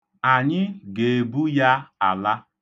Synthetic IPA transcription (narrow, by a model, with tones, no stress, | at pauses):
a˨ɲɪ˦ɡe˨e˨bu˦ja˦a˨la˦